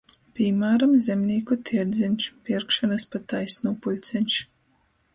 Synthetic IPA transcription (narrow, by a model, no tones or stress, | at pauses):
pʲimaːɾamzʲɛmnʲiːkut̪ʰiɛɾd̪zʲɛnʲʃpʲiɾkʃɔnaspat̪ajsnuːpulʲt̪sʲɛnʲt͡ʃ